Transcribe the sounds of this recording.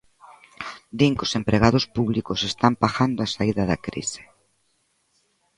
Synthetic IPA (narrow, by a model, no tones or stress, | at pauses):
d̪iŋkosempɾeɣ̞aðospuβlikosest̪ampaxand̪oasaiðɐðakɾḭse̥